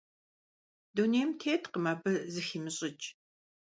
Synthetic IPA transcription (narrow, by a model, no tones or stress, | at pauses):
duneːmtʰeːtʰqəmɐbɨzɨximɨɕʼɪt͡ʃʼ